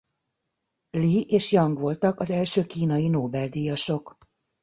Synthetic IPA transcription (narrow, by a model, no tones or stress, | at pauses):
liʔeːʃjɒŋɡʋo̞lt̪ɒkɒzɛlʃøːkiːnɒjinoːbɛld̪iːjɒʃo̞k